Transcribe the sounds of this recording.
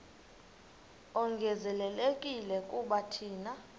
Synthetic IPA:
ɔŋɡʱɛzɛlɛlekʼilɛkʼuɓatʰiːna

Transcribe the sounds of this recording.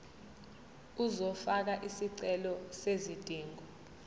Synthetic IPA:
uzɔfak̬aʔisiǀɛlɔsezid̥ʱiːŋɔ

